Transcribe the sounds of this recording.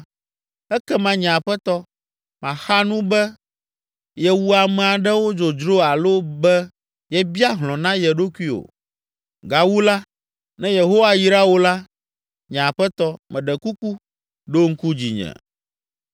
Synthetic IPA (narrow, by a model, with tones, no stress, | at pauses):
ɛ˦kɛ˦mã˦ɲɛ̃˨a˨ɸɛ˦t̪ɔ˦ | mã˨xa˦nũ˦bɛ˦ | jɛ˦wu˦a˨mɛ̃˨a˨ɖɛ˦wo˦d͡ʒo˨d͡ʒɾo˦a˨lo˦bɛ˦ | jɛ˦bi˦a˦ɦlɔ̃˨nã˦jɛ˨ɖo˦kʷi˦o̰˨ | ɡa˨wu˦la˦ | nɛ̃˦je˨ɦo˦wa˦ji˦ɾa˦wo˦la˦ | ɲɛ̃˨a˨ɸɛ˦t̪ɔ˦mɛ̃˨ɖɛ˨ku˦ku˦ | ɖo˦ŋ̩˦ku˦d͡ʑḭ˨ɲɛ̰̃˨